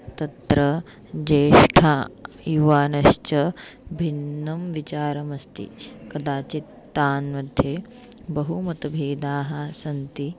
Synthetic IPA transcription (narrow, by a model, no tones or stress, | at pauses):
t̪ɐt̪ɾɐ | d͡ʒeːʃʈʰaː | juʋaːnɐʃt͡ʃɐbʱinːɐmʋit͡ʃaːɾɐmɐst̪ḭkɐd̪aːt͡ʃit̪ːaːnʋɐd̪ʱje | bɐɦumɐt̪ɐbʱeːd̪aːɦɐsɐnt̪i